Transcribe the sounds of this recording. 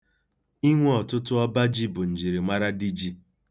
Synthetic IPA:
i˦ŋʷe˦ɔ˨tʊ˦tʊ˦ɔ˦ba˦d͡ʒi˦bʊ˨n̩˨d͡ʒi˨ɾi˨ma˦ɾa˦di˦d͡ʒi˦

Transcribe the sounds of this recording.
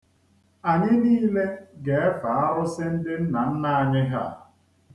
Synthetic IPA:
a˨ɲɪ˦niː˦le˦ɡe˨e˦fa˨a˦ɾʊ˦sɪ˦n̩˦dɪ˦n̩˦na˨n̩˦na˦a˨ɲɪ˦ɦa̰˦˨

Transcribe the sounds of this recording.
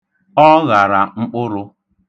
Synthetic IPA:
ɔ˦ɣa˨ɾa˨ŋ͡m̩˦k͡pʊ˦ɾʊ˦

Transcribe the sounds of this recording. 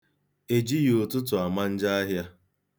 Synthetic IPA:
e˨d͡ʒi˦jo˨tʊ˦t̬ʊ˨a˨ma˦n̩˦d͡ʒa˦a˦ɦja˦

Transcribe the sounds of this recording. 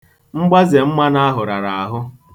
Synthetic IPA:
ŋ͡m̩˦ɡ͡ba˦ze˨m̩˦ma˦na˦a˦ɦʊ˨ɾa˨ɾa˨a˨ɦʊ˦

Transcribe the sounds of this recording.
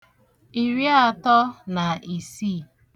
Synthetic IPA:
i˨ɾja˦˨tɔ˦na˨i˨si˦˨

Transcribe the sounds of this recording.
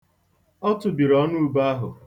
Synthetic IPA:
ɔ˦tʊ˨bi˨ɾɔ˦nu˦˨˦ba˦ɦʊ̰˨

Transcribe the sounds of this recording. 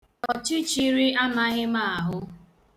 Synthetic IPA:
ɔ˨t͡ʃi˦t͡ʃi˦ɾi˦a˦na˦ɣɪ˦ma˦˨a˨ɦʊ˦

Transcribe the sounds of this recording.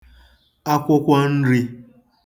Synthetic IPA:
a˦kʷʊ˦kʷa˦n̩˦ɾi˦

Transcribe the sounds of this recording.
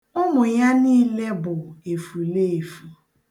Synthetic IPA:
ʊ˦mʊ˨ja˦niː˦le˦bʊ˨e˨fu˨le˦e˨fu˨

